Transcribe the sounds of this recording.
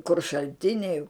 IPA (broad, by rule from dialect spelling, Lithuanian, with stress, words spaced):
kʊr ʃɐlʲˈtʲɪnʲɛɪ